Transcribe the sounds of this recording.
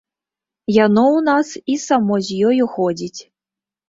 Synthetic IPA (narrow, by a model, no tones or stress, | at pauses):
janɔwnasisamɔzʲjɔjuxɔd͡zʲit͡sʲ